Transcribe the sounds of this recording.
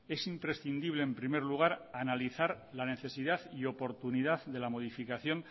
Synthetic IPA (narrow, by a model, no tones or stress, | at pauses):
e̞simpɾe̞sθind̪iβle̞ːmpɾime̞ɾluɣ̞aɾanaliθaɾ | lane̞θe̞siðaθio̞po̞ɾt̪uniðaððe̞lamo̞ðifikaθjo̞ŋ